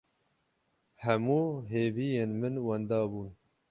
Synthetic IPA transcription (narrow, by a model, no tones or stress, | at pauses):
hɛmuːɦeːviːjeːnmɨnwɐnd̪ɑːbuːn